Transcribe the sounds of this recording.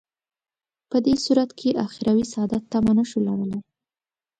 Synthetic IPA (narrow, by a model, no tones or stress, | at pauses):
pəd̪esuɾat̪kʰeʔaxɪɾawisaɑd̪at̪ːamanaʃulaɽəlaj